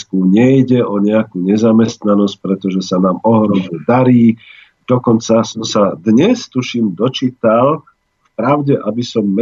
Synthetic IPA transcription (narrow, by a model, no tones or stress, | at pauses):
kuɲɛjɟɛɔɲɛakuːɲɛzamɛst̪nanɔsc̚pɾɛt̪ɔʒɛsanaːmɔɦɾɔmɲɛd̪aɾiː | d̪̥ɔkɔnt͡sasɔmsad̪ɲɛst̪uʃimd̪ɔt͡ʃiːt̪al | fpɾaʊɟɛʔabisɔmːɛ